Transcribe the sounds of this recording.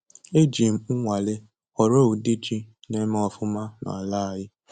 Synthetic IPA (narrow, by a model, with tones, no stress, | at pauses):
e˦d͡ʒi˨m̩˨ŋ̩˦ŋʷa˨le˦ | ɔ˨ɾo˦u˨di˦d͡ʒi˦ne˦me˦ɔ˨fʊ˦ma˦nɔ̰˨a˨la˦˨a˨jɪ˦